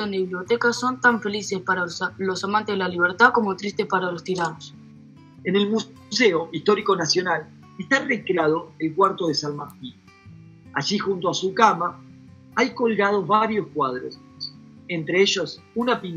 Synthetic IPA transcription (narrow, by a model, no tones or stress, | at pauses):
ond̪eβiβliot̪ekaso̞nt̪aɱfe̞lise̞spaɾalo̞samant̪ezðelaliβ̞eɾt̪ako̞mo̞t̪ɾist̪espaɾalo̞st̪iɾanos | ene̞lmu | seoʔist̪o̞ɾiko̞nasjo̞nal | est̪arekɾeað̞o̞elkwaɾt̪oðesalmaɾt̪in | aʒixunt̪oasukama | ajko̞lɣað̞o̞zβaɾjo̞skwað̞ɾo̰s | ent̪ɾeeʒos | unapin